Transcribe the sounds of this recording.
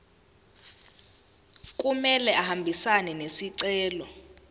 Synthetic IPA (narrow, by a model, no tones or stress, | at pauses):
k̬ʼumɛlɛahambʱisanɛnesiǀɛːlɔ